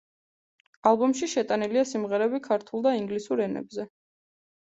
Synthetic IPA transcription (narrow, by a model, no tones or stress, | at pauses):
alˠbɔmʃiʃɛt̪ʼaniliasimʁɛɾɛbikʰaɾt̪ʰulˠd̪aiŋɡlisuɾɛnɛ̰bzɛ